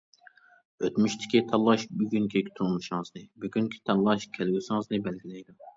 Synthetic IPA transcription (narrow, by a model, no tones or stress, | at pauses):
øt̪myʃt̪ʰɪ̥kʲit̪ʰɑlˠːɑʃbyɡʲyŋkʲʰikʲʰy̥t̪ʰulmuʃŋɨzd̪ɨbyɡʲyŋkʲʰi̥t̪ʰɑlˠːɑʃkʲʰɛlɡʲysɨŋɨzd̪ɨbɛlɡʲilɛjd̪u